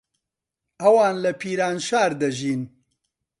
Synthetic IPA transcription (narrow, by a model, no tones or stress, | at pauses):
ɐwaːnlɐpʰiːɾaːnʃaːɾd̪ɐʒiːn